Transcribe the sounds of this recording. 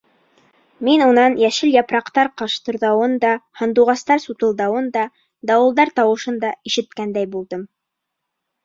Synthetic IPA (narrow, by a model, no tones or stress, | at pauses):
minunɑnjæʃɘljɑpɾɑqt̪ɑɾqɑʃt̪ɤ̆ɾðɑwɤnd̪ɑhɑnd̪uʁɑst̪ɑɾsut̪ɤ̆lˠd̪ɑwɤnd̪ɑ | d̪ɑwɤ̆lˠd̪ɑɾt̪ɑwɤ̆ʃɤnd̪ɑiʃɘ̆t̪kænd̪æjbulˠd̪ɤm